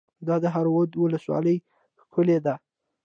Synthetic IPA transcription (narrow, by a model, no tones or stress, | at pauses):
d̪ɑd̪əɦaɾwod̪wʊləswɑ̰ləj | xkʰʊled̪a